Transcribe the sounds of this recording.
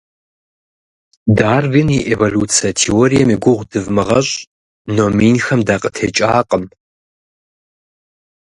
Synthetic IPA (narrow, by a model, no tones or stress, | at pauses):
daːrvinjɛʔevoluːt͡sʰiɐtʰeoɾijɛmiɡʷʊʁʷdɨvmɨʁɐɕʼ | nominxɐmdaːqʼətʰeːt͡ʃʼaːqʼəm